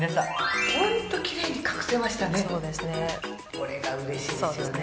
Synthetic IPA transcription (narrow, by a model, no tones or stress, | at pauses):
naahõ̞nt̪o̞kʲiɾe̞ːɲ̟ikḁkɯ̟̥se̞maɕi̥t̪aneso̞ːd̪e̞sɨne̞ | koɾeɡaɯ̟ɾeɕioesn